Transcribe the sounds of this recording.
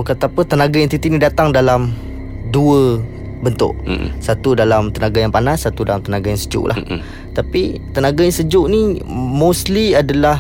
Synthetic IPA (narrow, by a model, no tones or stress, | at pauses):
kat̪apət̪ənaɡaɛnt̪it̪iʔnĩdat̪aŋdalam | duə | bənt̪ʊ̰ʔsat̪udalamt̪ənaɡajaŋpanasːat̪udalamt̪ənaɡajaŋsəd͡ʒʊ̰ʔlʔa̰h | t̪apit̪ənaɡajaŋsəd͡ʒʊʔnimosliadalah